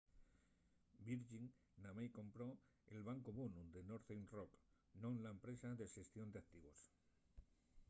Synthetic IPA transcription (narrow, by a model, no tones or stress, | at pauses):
biɾʝiŋ | namajko̞mpɾo̞ | ḛlβaŋkoβonud̪enoɾθenrok | nonlaempɾe̞saðe̞ʃe̞st̪jo̞nd̪eak̚t̪iβo̞s